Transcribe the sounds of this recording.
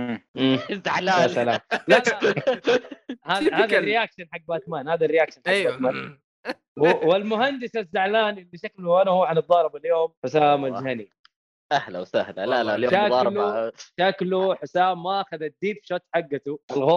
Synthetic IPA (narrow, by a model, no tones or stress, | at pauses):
zːaʕlaːasala̰ːla | haaːðarːɪjakʃanħaɡ̚baːt̪maːnhaːðarːɪjaːkʃanħaɡbaːt̪maːn | wwɪlmʊɦand̪ɪsazːaʕlaːnʔɪlːiʃaklʊʔanahuːʕanɨd̪ˤːɑːɾˤɪbaljoːmħʊsaːmazhani | ʔahla̰wsahla̰laajoʃalʃakluħʊsaːmːaʔaxaðad̪ːiːbfʃɑt̪ˤːħaɡːat̪uʔalɣoː